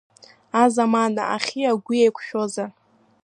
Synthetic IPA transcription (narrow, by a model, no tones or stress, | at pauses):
azamana̰aχʲiaɡʷiejkʷʰʃᶣoza